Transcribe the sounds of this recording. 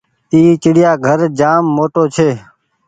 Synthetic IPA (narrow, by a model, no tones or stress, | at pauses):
t̪iːt͡ʃɪɽɪjaːɡʱəɾd͡ʒaːmːoːʈoːt͡ʃʰeː